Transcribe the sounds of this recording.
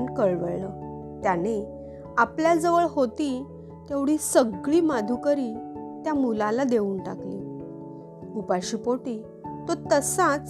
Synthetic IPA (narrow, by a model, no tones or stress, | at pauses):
nkəɭʋəɭlə | t̪jane | apljad͡zəʋəɭɦot̪iː | t̪eʋɽiːsəɡɭiːmad̪ʱukəɾiːt̪jamulalad̪euːnʈakliː | upaɕiːpoʈiː | t̪ot̪əsãt͡s